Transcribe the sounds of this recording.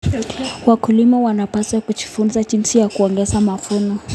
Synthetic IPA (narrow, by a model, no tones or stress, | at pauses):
wakulimawanapasakud͡ʒifunzad͡ʒinsijakuɔŋɡɛzamafunɔ